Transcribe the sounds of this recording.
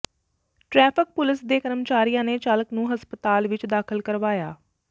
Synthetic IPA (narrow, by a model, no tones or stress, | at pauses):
ʈɾɛːpʰɪk̚pʊlɪsd̪eːkəɾəmt͡ʃaːɾijãːneːt͡ʃaːləknũːɦəspət̪aːlʋɪt͡ʃd̪aːkʰəlkəɾʋaːjaː